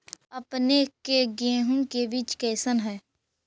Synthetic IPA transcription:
əpnekeɡẽːɦũkebɪt͡ʃkɛːsənɦɛː

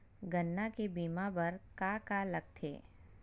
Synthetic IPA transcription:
ɡənːakebiːmabɐɾkakalɐɡ̚t̪ʰḛː

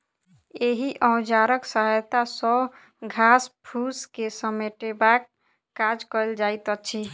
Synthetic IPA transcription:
eɦiʔə̃w̃d͡ʒaɾəksəɦajt̪asɔ | ɡʱaspʰuskesəmeʈebakː | ad͡ʒkəld͡ʒajt̪ət͡ʃʰi

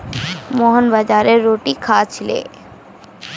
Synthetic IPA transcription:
moːɦənbəd͡ʒaːɾeɾoːʈikʰaːt͡ʃʰlḛː

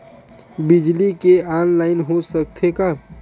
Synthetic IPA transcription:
bɪd͡ʒlikeaːnlaːɪnɦosək̚t̪ʰeka

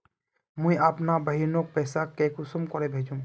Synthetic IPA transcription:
mũĩapnabəɦiɾnok̚pɛːsakekʊsʊmkɔɾebʱeːd͡ʒũŋ

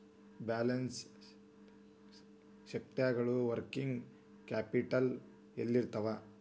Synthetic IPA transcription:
baːlɐns | ʃɐk̚t̪jaːɡɐɭuʋɐɾkiŋɡ | kaːpiʈɐl | elːiɾt̪ɐʋa

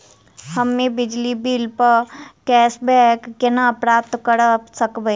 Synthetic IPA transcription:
həmːẽbɪd͡ʒlibiːlpəkɛːsbɛkːenaːpɾaːp̚t̪kəɾəsəkbəi

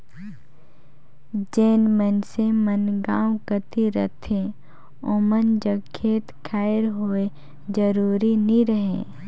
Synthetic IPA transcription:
d͡ʒeːnmənsemənɡaːwkət̪iɾə̰t̪ʰẽ | omənd͡ʒəɡkʰːeːt̪kʰaːɪɾɦoːe | d͡ʒəɾuːɾiniɾəɦḛ̃ː

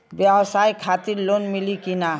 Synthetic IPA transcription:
bjɛbʃaekʰat̪iɾlonmilikina

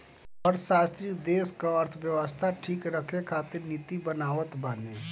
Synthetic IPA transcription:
ɔːɾʃaːst̪ɾikd̪eːskaəɾt̪ʰʋjəʋəst̪ʰaʈʰiːkɾəkʰekʰaːt̪ɪɾnit̪ibənaːʋət̪bənẽ

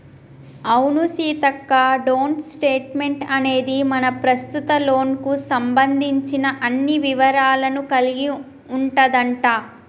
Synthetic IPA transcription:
ɐwnusiːt̪ɐkːaɖoːɳsʈe̞ːʈme̞ɳʈɐne̞ːd̪imɐnɐpɾɐst̪ut̪ɐlo̞ːnkusɐmbɐnd̪ʱiɲt͡ʃinɐʔɐnːiʋiʋɐɾaːlɐnukɐliɡi | uɳʈɐd̪ɐɳʈaː

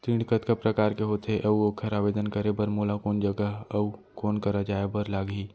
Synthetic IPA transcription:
t̪ĩːɽɖkət̪kəpɾəkaːɾkeɦoːt̪ʰeʔɐuoːkʰəɾaːbeːd̪ənkəɾebəɾmoːlakoːnd͡ʒəɡəɦɐukoːnkəɾad͡ʒaːebəɾlaːɡɦiː

